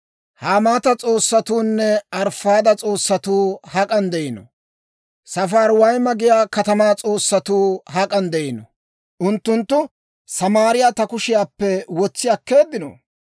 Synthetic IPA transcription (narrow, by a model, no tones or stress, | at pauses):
haːmaːt̪ɐt͡sʼo̞ːsːɐt̪uːnːɛɐɾfaːd̪ɐt͡sʼo̞ːsːɐt̪uːhɐkʼɐnd̪ɛʔɪnɔ̰ | sɐfaːɾwɐjmɐɡɪjaːkɐt̪ɐmaːt͡sʼo̞ːsːɐt̪uːhɐkʼɐnd̪ɛʔɪnɔ | ʔʊnt̪ːʊnt̪ːʊ | sɐmaːɾɪjaːt̪ɐkʊʃɪjaːpːɛwɔt͡sːɪjɐkːe̞ːd̪ɪnɔ̰